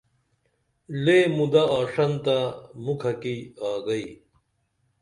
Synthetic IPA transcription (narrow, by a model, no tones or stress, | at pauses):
leːmud̪aaːʂɐnt̪amukʰɐkiaːɡɐi